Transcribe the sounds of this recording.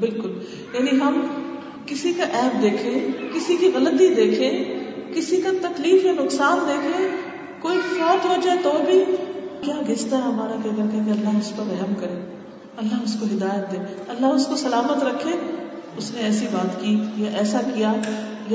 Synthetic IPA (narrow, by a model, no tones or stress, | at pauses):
bɪlkʊl | jaːniɦɐm | kɪsikaʔɛɦmd̪eːkʰẽːkɪsikiɣɐlət̪id̪eːkʰẽːkɪsikat̪ɐkliːfjanʊqsaːnd̪eːkɾẽː | koːiɪfaːt̪ɦod͡ʒaːet̪oːbʱikjaːɡʱest̪aɦɐmaːɾakeɐɡɐɾkɛẽkeɐlːaːɦmʊspɐɾɛɦmkɐɾẽː | ɐlːaːɦmʊskoɦɪd̪aːjət̪̚d̪ẽːɐlːaɦʊskosɐlaːmət̪ɾɐkʰːẽːʊsneɛːsibaːt̪kijaʔɛːsakija | j